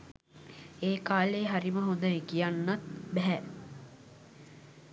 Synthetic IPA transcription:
eːkaːleːɦaɾiməɦond̪əekijanːat̪̚bɛɦɛ

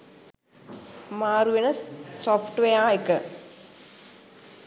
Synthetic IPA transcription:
maːɾuʋenəsːofʰʈʋejaːekə

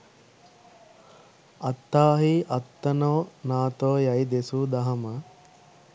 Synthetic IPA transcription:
ɐt̪ːaːɦiʔɐt̪ːɐnoːnaːt̪oːjɐjd̪esud̪ɐɦɐmə

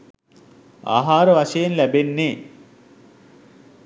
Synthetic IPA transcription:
a̰ːɦaːɾəʋaʃejenlæbenːeː

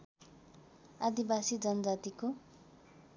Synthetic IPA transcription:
ad̪ibasid͡zʌnʌd͡zat̪iko

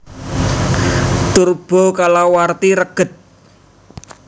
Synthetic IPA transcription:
t̪urb̥ɔ̤kalawart̪iɾəɡ̥ə̤t̪̚

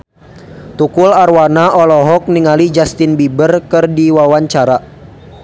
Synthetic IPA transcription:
t̪ukʊlarwanaɔlɔɦɔk̚niŋalid͡ʒast̪ɪnbibərkɨrdiwawaɲt͡ʃaɾa

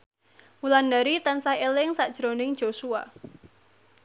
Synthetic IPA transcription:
mulandaɾit̪ansahelɪŋsad̥ʒ̥ɾonɪŋ̥ʒ̥osua̰

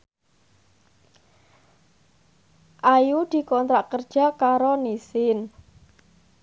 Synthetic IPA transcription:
ʔajud̪̥i̤kɔnt̪ɾaʔkərd̥ʒ̥a̤kaɾonisɪn

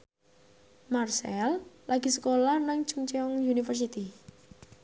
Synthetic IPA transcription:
marsɛllaɡ̥isəkolahnaŋ̥t͡ʃuŋt͡ʃiɔŋjunifərs̬it̪i

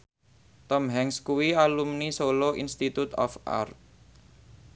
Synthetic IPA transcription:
t̪ɔmɦɛŋskuwialumnisoloʔḭnst̪it̪ut̪ɔ̰fʔa̰rt̪̚

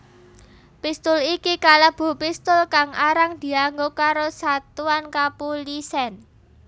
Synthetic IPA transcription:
pist̪ʊlikikaləb̥o̤pist̪ʊlkaŋʔaɾaŋd̪̥i̤aŋɡokaɾosat̪uankapulisɛn

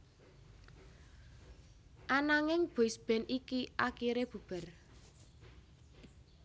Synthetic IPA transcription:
ʔanaŋɪŋb̥osb̥ɛnikiʔakiɾeb̥ub̥ər

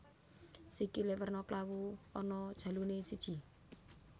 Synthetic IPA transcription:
sikilewərnɔklawuɔnɔd̥ʒ̥ä̤lunesid̥ʒ̥i̤

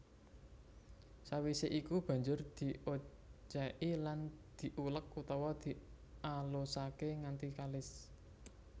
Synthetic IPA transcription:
sawiseʔikub̥a̤ɲd͡ʒʊrd̪̥i̤ʔo | t͡ʃaʔiland̪̥i̤ʔulək̚ut̪ɔwɔd̪̥i̤ | alosakeŋant̪ikalɪs

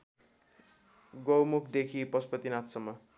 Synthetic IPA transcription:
ɡowmukʰd̪ekʰipʌspʌt̪inat̪sʌmːʌ

